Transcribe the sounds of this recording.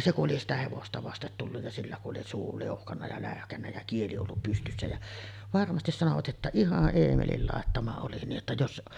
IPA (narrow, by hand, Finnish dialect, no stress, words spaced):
se kuʔ ʔoli sitæ heʋostɑ ʋɑstet tulːuj jɑ silːæ kuʔ ʔoli suː liuhkɑnːɑ jɑ læˑøhkænːæ jæ kieli olːup pystysːæ jæ ʋɑrmɑstis sɑnoʋɑt ʔetːæ ihɑʔ ʔeːmelil lɑˑetːɑmɑ oli niːʔ ʔetːæ jos